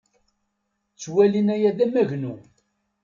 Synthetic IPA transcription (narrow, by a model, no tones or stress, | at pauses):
t͡sːwælinæjæðæmæʝnu